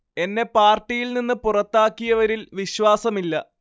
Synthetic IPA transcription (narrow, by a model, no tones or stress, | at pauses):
e̞nːe̞paːrʈːijilninːɨpurɐt̪ːaːkːijɐʋɐɾilʋiɕʋaːsɐmilːɐ